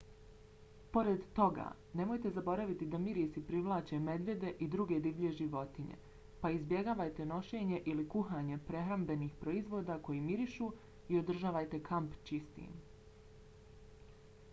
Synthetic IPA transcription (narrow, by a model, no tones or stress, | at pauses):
po̞ɾe̞d̪t̪o̞ɡa̰ː | ne̞mo̞jt̪e̞zabo̞ɾaʋit̪id̪amiɾisipɾiʋlˠaːt͡ʃe̞me̞d̪ʋje̞d̪e̞ʔid̪ɾuɡe̞d̪iʋʎe̞ʒiʋo̞t̪iɲḛ | paizbje̞ɡaːʋajt̪e̞no̞ʃe̞ːɲe̞ʔilikuɦaːɲe̞pɾe̞ɦɾambe̞niːxpɾo̞izʋo̞ːd̪ako̞jimiɾiʃu | io̞d̪r̩ʒaːʋajt̪e̞kʰampt͡ʃist̪ḭn